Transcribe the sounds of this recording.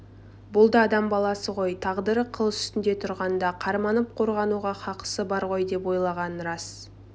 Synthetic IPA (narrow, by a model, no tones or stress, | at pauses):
bʊlˠd̪əɑd̪ɑmbɑlˠɑsəʁo̞jt̪ʰɑʁd̪əɾəqʰəlˠəsʏ̥st̪ɪnd̪e̞t̪ʰʊɾʁɑnd̪ɑqʰɑɾmɑnəp̚qʰo̞ɾʁɑnuʁɑqʰɑqə̥səbɑɾʁo̞jd̪e̞po̞jlˠɑʁɑnɾɑs